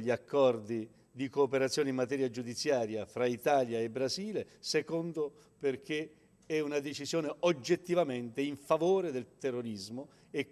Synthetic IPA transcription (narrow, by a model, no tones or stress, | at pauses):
ʎːiakːɔrd̪i | d̪ikoːpeɾat̪sːjɔːneimːat̪ɛːɾjad͡ʒud̪it̪sːjaːɾjafɾait̪aːljaebːɾaziːle | sekond̪o | perk̟e | ɛunad̪et͡ʃizjoːneod͡ʒːet̪ːivament̪eiɱfavoːɾed̪elt̪erːoɾizmo | e